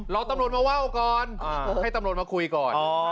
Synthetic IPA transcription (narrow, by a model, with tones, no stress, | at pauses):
ɾɔː˧wt̪a˧mɾo˧t̪̚maː˧wa˥˩wkɔː˨˩nʔaː˧˩a˥˩jt̪a˧mɾo˧n̚maː˧kʰu˧jkɔː˨˩nɔː˧